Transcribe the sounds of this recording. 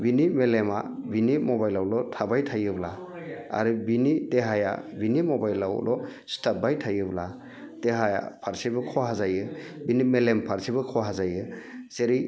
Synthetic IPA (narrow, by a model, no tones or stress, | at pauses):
binimelema̰binimɔbajlawlɔtʰabajtʰajɯbla | a̰ɾɯbinideɦaja̰binimɔbajlaw̰lʔɔstabajtʰajɯbla | d̥eɦaja̰pʰaɾsibɯkʰɔɦazajɯbinimelempʰaɾsibɯkʰɔɦazajɯseɾi